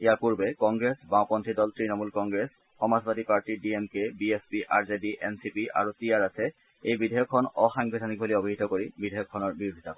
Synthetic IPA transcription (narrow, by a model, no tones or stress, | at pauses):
ejapuɹbɛkɔŋɡɹesbãʊpɔntʰidɔltɹinɔmulkɔŋɡɹes | xɔmazbatipaɹtidiemkebiespiʔa̰ɹzediʔensipiʔa̰ɹutiaɹasɛ | ejbidʱɛjɔkʰːɔnɔxaŋbʱidʱanik̚boliobʱiɦitɔkoɹibidʱɔjɔkʰːɔnɔɹbiɹodʱitakɔ